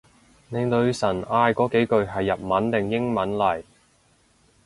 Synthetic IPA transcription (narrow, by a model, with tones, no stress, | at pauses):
ne˨˧jt̪ɵ˧ɥsɐ˨˩naː˧jkɔː˨˥ke˨˥jkɵ˨˧ɥɦɐ˨jːɐ˨p̚mɐ˨˥nt̪ɪ˨˩ŋjɪ˥ŋmɐ˨˥nlɐ˨˩j